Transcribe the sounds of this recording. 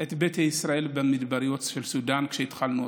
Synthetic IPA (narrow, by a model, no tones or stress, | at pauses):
ʔe̞t̪bet̪haisʁae̞lbemid̪baɾjo̞tʃelsud̪ankʃeit̪χalnu